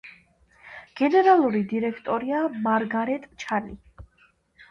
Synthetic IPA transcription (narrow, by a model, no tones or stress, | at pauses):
ɡ̥ɛnɛɾalˠuɾid̪iɾɛkʰt̪ʼɔɾiamaɾɡaɾɛt̪ʼt͡ʃʰanḭ